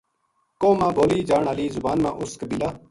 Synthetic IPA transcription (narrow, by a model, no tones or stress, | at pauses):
kõːmãːbʱoːliːd͡ʒaːɳɦaliːzʊbaːnmã̰ːʔʊskbɪlaː